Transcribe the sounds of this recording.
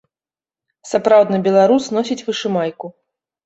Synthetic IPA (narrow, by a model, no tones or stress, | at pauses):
sapɾawd̪nɐbʲɛlˠaɾusnɔsʲit͡sʲvɨʂɨmajku